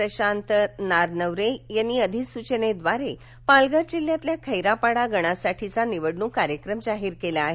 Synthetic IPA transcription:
əɕant̪naɾnəʋɾejanːiəd̪ʱisut͡ɕəned̪ʋaɾe | palɡəɾd͡ʑilːjãt̪ljakʰəjɾapaɽaɡʱəɽ̃asaʈʰit͡saniʋəɽɳuːkaɾjəkɾəmd͡zaɦiːɾkelaːɦe

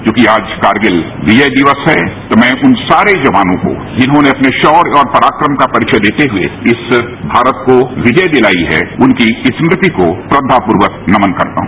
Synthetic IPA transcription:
kjõːkiaːd͡ʒkaːɾɡɪl | ʋɪd͡ʒəjd̪ɪʋəsɦɛt̪omɛ̃ːʔʊnsaːɾed͡ʒɐʋaːnõko̰ | d͡ʒɪnɦõneɐpneʃɔːɾɔːɾpɐɾaːkɾəmkapɐɾɪkʃʰəd̪eːt̪eɦʊḛɪs | bʱaːɾət̪koʋɪd͡ʒəjd̪ɪlaːiɦɛ̰ʊnkiɪsmɾɪt̪ikopɾɐd̪ʱːapʊɾʋək̚nɐmənkɐ̰ɾt̪a̰ɦũ

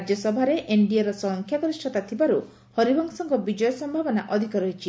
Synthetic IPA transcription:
d͡ʒjɔsɔbʱaɾeʔeɳɖiaɾɔsɔŋkʰjaɡɔɾisʈʰɔt̪at̪ʰibaɾu | hɔɾibʱɔŋsɔŋkɔbid͡ʒɔjɔsɔmbʱabɔnaʔɔd̪ʱikɔɾɔɦit͡ʃʰi

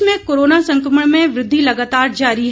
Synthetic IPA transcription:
mẽkoːɾoːnasɐ̃ŋkɾəməɽ̃mẽʋɾɪd̪ʱːilɐɡaːt̪aːɾd͡ʒaːɾiɦ

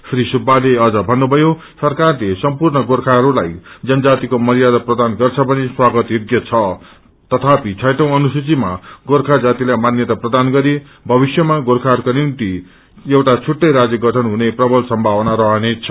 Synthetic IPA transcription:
sɾisubaleʌd͡zʌbʱʌnːubʱʌjo | sʌrkarlesʌmpurnʌɡorkʰaɦʌɾula̰jd͡zʌnʌd͡zat̪ikomʌɾijad̪ʌprʌd̪anɡʌrt͡sʰʌbʱʌneswaɡʌt̪joɡjʌt͡sʰʌ | t̪ʌt̪ʰapit͡sʰʌjʈʌ̃w̃ʌnusut͡sima̰ɡorkʰad͡zat̪ilajmanjʌt̪aprʌd̪anɡʌɾi | bʱʌbisjʌmaɡorkʰarkonimt̪i | jewʈat͡sʰuʈːʌjɾad͡zjʌɡʌʈʰʌnɦuneprʌbʱʌlsʌmbʱawʌnaɾʌɦʌnet͡sʰʌ

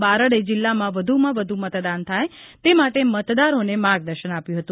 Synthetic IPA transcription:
baɾəɽed͡ʒɪlːamãʋəd̪ʱumãʋəd̪ʱumət̪d̪ant̪ʰajt̪emaʈemət̪d̪aɾonemaɡd̪əɾʃənapjũɦət̪ũ

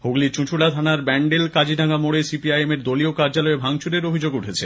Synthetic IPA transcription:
hoɡlit͡ɕũt͡ɕʰulat̪ʰanaɾbɛɳɖelkad͡ʑiɖʱaɡamoɽesipiajemeɾd̪oliokaɾd͡ʑalɔebʱaŋt͡ɕuɾeɾobʱid͡ʑoɡuʈʰet͡ɕʰe

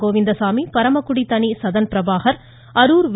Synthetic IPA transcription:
oːʋɪnd̪ɐsaːmipɐɾɐmɐkːʊɽit̪ɐnisɐðɐnpɪɾɐʋaːɦɐɾ | ɐɾuːɾʋ

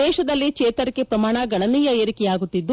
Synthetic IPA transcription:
ɛːʃɐd̪ɐlːikeːt̪ɐɾikːepɾɐmaːɳɐɡɐɳɐniːjɐeɾikɛjaːɡut̪ːid̪ːu

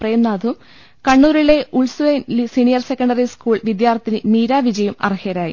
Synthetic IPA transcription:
preːmnaːd̪ʰʱum | kɐɳːuːɾiɭe̞uɭsʋenlisiɳijɐrse̞kːɐɳɖɐriskuːɭʋid̪jaːrt̪ːinɨmiːɾaːʋid͡ʑɐjɐmɐ̰rihɐɾaːjḭ

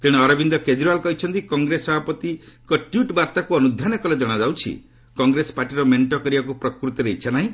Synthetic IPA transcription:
t̪iɽ̃eɔɾɔbind̪ɔked͡ʒɾualkɔɦit͡ʃʰɔnt̪ikɔŋɡɾesɔbʱapɔt̪ikɔʈjuʈbaɾt̪akuɔnud̪ʱanɔkɔled͡ʒɔɽ̃ad͡ʒawt͡ʃʰḭ | kɔŋɡɾesɔ̥paʈiɾɔmeɳʈɔkɔɾibakupɾɔkɾut̪ɔɾeɦit͡ʃʰanaɦĩ

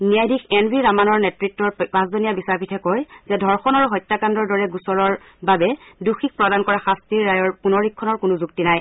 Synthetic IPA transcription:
nijajdʱikʰɛnbʱiɹamanɔɹnɛtɹitːɔɹpasdɔnijabisapʰitʰɛkɔjzɛdʱɔɹxɔnaɹuɦɔjtːakandɔɹdɔɹɛɡusɔɹɔɹ | babɛduxik̚pɹɔdankɔɹaxastiɹːajɔɹpunɔɹikʰːɔnɔɹkʊnʊzuktinaj

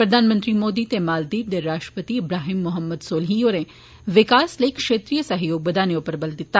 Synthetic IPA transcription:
pɾɐd̪ʱaːnmənt̪ɾimoːd̪it̪emaːld̪iːɾd̪eɾaːʃʈɾə̥pət̪iɪbɾaːɦimːʊɦəmːəd̪soːlɦijoːɾẽ | ʋɪkaːslekʂeːt̪ɾijəsɐɦjoːɡ̚bəd̪aːnjopəɾbəld̪ɪt̪ːa

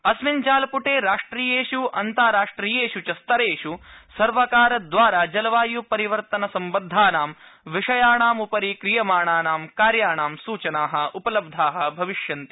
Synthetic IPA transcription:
ɐsmint͡ʃaːlpuʈeːɾaːʂʈɾiːjeːʃuɐnt̪aːɾaːʂʈɾiːjeːʃut͡ʃɐst̪ɐɾeːʃusɐɾʋɐkaːɾɐd̪ʋaːɾaːd͡ʒɐlɐʋaːjupɐɾiʋɐɾt̪ɐnɐsɐmbɐnd̪ʱːaːnaːmʋiʂɐjaːɳaːmupɐɾikɾijɐmaːɳaːɳaːmkaːɾjaːɳaːmsuːt͡ʃɐnaːɦɐ̆upɐlɐb̚d̪ʱaːɦɐ̆bʱɐʋiʃjɐnt̪i

